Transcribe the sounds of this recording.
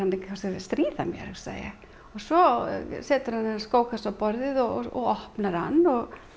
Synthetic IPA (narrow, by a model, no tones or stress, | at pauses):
ant̪ɪŋkʰasɪst̪ɾiːða̰mjɛ̰ɾsa̰ːja̰ɣ | ɔɣsɔsɛːt̪ʏɾ̥hanɛnːaskoːwkasawpɔɾðɪðɔɣɔ̰ɣɔhpnaɾ̥ha̰nːɔɣ